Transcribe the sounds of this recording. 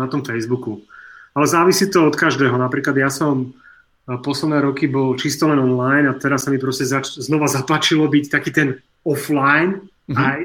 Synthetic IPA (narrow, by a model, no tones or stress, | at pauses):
at̪ɔmfɛjzbukualɛzaːʋisit̪ɔɔt̪kaʒd̪ɛːɦɔnapɾiːklad̪jasɔm | pɔslɛd̪nɛːɾɔkibɔlt͡ʃist̪ɔlɛnɔnlajnat̪ɛɾasːamipɾɔscɛzat͡ʃznɔʋazap̪lat͡ʃilɔbict̪akiːt̪ɛn | ɔflajn | aj